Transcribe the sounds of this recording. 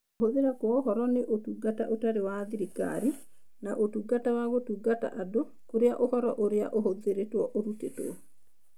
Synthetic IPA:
oɦoðeɾakwɔohɔɾɔneʔotuɡata̰ʔotaɾewaðiɾika̰ɾi | naʔotuɡatawaɣotuɡata̰ʔado | koɾjaʔohɔɾɔʔoɾea̰ʔohoðeɾetwɔʔoɾuteto̰

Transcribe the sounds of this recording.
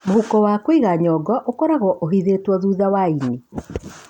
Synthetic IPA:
mohukɔwakwiɣaɲɔɡɔʔokɔɾaɣɔʔoɦiðetwɔðuːðawaini

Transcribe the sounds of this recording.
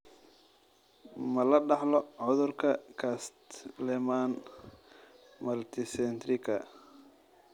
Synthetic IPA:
mɐlɐɖɑħlɔʕʊðʊrkʰɐkʰast̪lɛmaːn | mɐlt̪ʰɪsɛnt̪rɪkʰɐ̰

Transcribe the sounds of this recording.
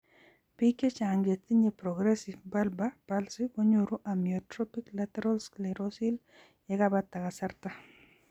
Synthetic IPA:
piket͡ʃaŋɡet̪iɲepɾɔɡɾɛsivbalbapalsikoɲoɾuʔamiɔtɾɔpiklatɛɾalsklɛɾosil | jɛkabat̪ːakasarta

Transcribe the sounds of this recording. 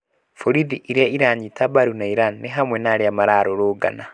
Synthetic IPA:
foɾiðiʔiɾaiɾaɲitabaɾunaiɾanːeɦamwɛnaɾjamaɾaɾoɾoɡa̰na

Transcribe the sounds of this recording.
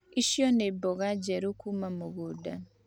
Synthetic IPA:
iʃjɔnebɔɣad͡ʒɛɾukumamoɣudan

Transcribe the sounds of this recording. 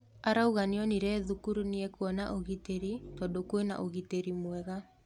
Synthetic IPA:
aɾauɣaniɔniɾɛðukuɾuniɛkuɔnaʔoɣiteɾitɔdokwena̰ʔoɣiteɾimwɛɣa

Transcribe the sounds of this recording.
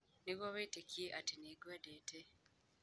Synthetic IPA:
neɣwaβeːtekʰieʔatineɡwadeːte

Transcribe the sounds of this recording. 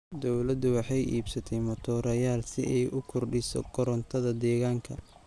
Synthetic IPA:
d̪ɔwlɐd̪ʊwɑħɑjʔḭːbsɐt̪ʰɛjmɔt̪ʰɔːɾɐjaːlsɪʔɛjʔʊkʰʊrɖɪsɔ̰ɡʰɔɾɔnt̪ʰɐðɐd̪ɛːɣaːŋkʰɐ

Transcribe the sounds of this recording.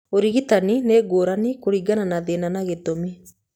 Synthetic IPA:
oɾiɣitanineːɡoːɾanikoɾiɡananaðenanaɣetomi

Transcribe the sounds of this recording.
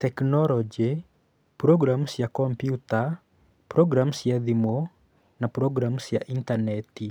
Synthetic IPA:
tɛknɔlɔd͡ʒe | pɾɔɡɾamsjakɔmpjuta | pɾɔɡɾamsjad̪imo | napɾɔɡɾamsjaʔintanɛti

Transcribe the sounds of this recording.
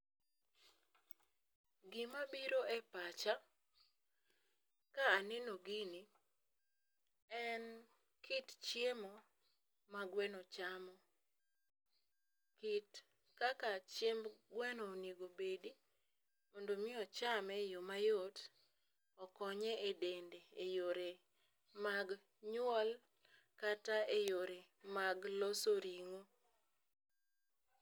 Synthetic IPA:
ɡimabiɾoʔɛpat͡ʃa | kaːnɛnoɡini | ɛn | kʰɪtt͡ʃjemɔ | maɡwɛnɔt͡ʃamɔ | kit | kakat͡ʃjembɡwɛnɔniɡobedi | mɔndomɪɔt͡ʃamɛjomajot | ɔkɔɲɛedendeejoɾe | maɡ | ɲwɔl | kataejoɾe | maɡlɔsoɾiŋo

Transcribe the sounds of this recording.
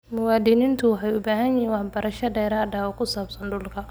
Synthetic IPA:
mʊwaːd̪iːnɪnt̪ʰʊwɑħɑjʊbaːɦɐnjiwɑħbɐɾɐʃɐɖɛːɾaːdaːwɔkʰʊsaːbsɐnɖʊlkʰɐ

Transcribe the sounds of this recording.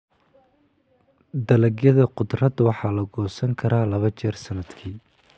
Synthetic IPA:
d̪ɐlɐɡjɐðɐqʊd̪rɐd̪wɑħɑːlɐɡɔːsɐŋkʰɐɾaːlɐβɐt͡ʃɛːrsɐnɐd̪kʰiː

